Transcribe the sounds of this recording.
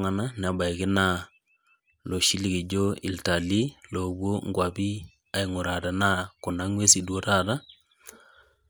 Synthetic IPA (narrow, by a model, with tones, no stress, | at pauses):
ŋa˨na˦na˨˦ba˨ɪ˨kɪ˦na˦ | lo˨ʃi˦li˦˨ki˨d͡ʒo˦ḭ˨lta˨li˦lo˨bwo˦ŋɡwa˨bi˦ | a˨ɪ˨ŋʊ˨ɾa˨ta˨na˦kʊ˨na˦ŋwe˦si˨dwo˦ta˦ta˦